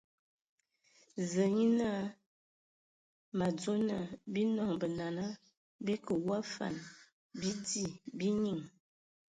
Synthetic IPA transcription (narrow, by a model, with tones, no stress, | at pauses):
zə˨ɲi˦na˦ | ma˨d͡zo˦na˨bi˦nɔ˨ŋbə˨na˨na˦ | bi˦kə˨wa˦fa̰˨n | bi˦di˦˨bi˦ɲi˨ŋ